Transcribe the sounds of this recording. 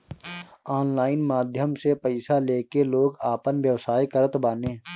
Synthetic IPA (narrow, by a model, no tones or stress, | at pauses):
aːnlaːɪnmaːd̪ʱjəmsepəɪsaleːkeloːɡaːpənʋjəʋsaːikəɾət̪baːnẽː